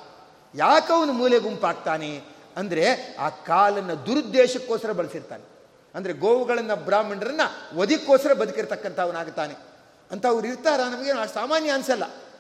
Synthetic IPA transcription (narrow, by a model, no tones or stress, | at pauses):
jaːkɐʋɐnumuːleɡumpaːɡ̚t̪aːne | ɐnd̪ɐɾe̞a̰ːkaːlɐnːɐd̪uɾud̪ːɛːʃɐkːoːsɐɾɐbɐɭɐsiɾt̪a̰ːne | ɐnd̪ɐɾe̞ɡoːʋuɡɐɭɐnːɐbɾaːmɐɳɖɐɾɐnːɐʋɐd̪ikːoːsɐɾɐbɐd̪ukiɾt̪ɐkːɐnt̪ʰɐɐʋɐnaːɡut̪ːaːne | ɐnt̪ɐːʋɐɾiɾt̪aːɾɐnɐmɐɡeːnsaːmaːnjɐɐnsɐlːɐ